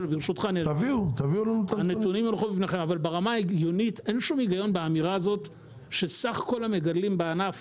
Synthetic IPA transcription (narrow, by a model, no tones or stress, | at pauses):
lbiʁʃut̪χant̪aviut̪aviulant̪aanetunimulχubifneχe̞mavalbeʁamaeɡjo̞nit̪enʃumiɡajo̞nbeamiʁaːzo̞t | ʃesaχko̞lame̞ɡadlimbeanaf